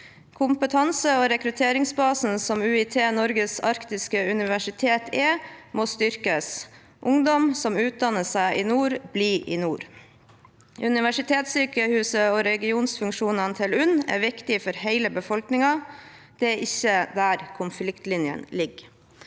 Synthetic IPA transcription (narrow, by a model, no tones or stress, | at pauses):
kʰʊmpət̪ʰɑnsəɔɾɛkɾʉt̪ʰeːɾɪŋsbɑːsn̩sɔmʉːɪt̪ʰeːnɔɾɡəsɑɾkt̪ɪskəʉnɪʋæʂɪt̪ʰeːt̪ʰɛmoːst̪ʏɾkəs | ʔʊŋd̪ɔmsɔmʉːt̪̚d̪ɑnːəsæɪʔɪnuːɾbliːʔḭnuːɾ | ʔʉnɪʋæʂɪt̪ʰeːt̪syːkəhʉːsəɔɾɛɡɪuːnsfʉŋkʂuːnɑnt̪ʰɪlʉnæ̰ːɾʋɪkt̪ɪfɔɾheɪləbəfɔlknɪŋɑ | d̪̥ɛæɾʔɪçːəd̪æɾkʰʊnflɪkt̪lɪnjə̰nlɪɡ